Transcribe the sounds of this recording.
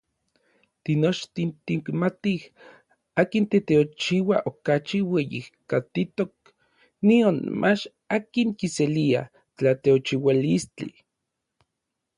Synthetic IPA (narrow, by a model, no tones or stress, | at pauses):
t̪inot͡ʃt̪int̪iŋkmat̪ih | aːkint̪et̪eot͡ʃiwaʔokat͡ʃiwejḭhkat̪it̪ok̚ | nionmʔat͡ʃ | akiŋkiselia̰ | t͡ɬat̪eot͡ʃiwalist͡ɬḭ